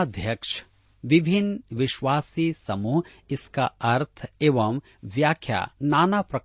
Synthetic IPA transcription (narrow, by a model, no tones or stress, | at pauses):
d̪ʱjɐkʂ | ʋɪbʱinʋɪʃʋaːsisɐmuɪska̰ɐɾt̪ʰeːʋɐm | ʋjaːkʰja̰ːnaːnapɾɐk